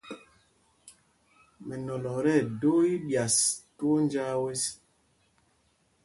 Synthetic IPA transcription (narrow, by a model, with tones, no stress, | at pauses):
mɛ˨nɔ˨lɔ˨ɾɛ˦˨do˦i˦bja˨stu˦n˦d͡ʒa˦we˦s